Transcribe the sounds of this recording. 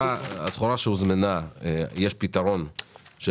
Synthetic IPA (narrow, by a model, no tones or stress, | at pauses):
aasχoɾaʃeuzmanaejeʃpit̪aʁo̞nʃe